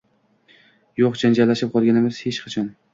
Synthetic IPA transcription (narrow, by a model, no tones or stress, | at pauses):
joqd͡ʒand͡ʒalːaʃɪp̚qʰɒlˠɡʲanɪmɪz̥het͡ʃqʰɑt͡ʃʰɒn